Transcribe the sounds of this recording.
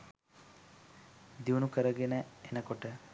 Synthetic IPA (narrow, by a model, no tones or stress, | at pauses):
d̪iʋunukəɾəɡenəenəkoʈə